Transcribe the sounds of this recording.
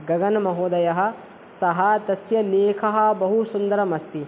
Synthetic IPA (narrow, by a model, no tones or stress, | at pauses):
ɡɐɡɐnmɐɦoːd̪ɐjɐɦɐ̆ | sɐɦɐt̪ɐsjɐleːkʰɐɦɐ̆bɐɦusund̪ɐɾɐmɐst̪i